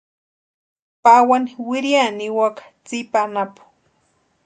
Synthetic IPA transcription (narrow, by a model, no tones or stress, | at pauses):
pawaniwɪɾjaniwakḁ | t͡sipanapʊ̥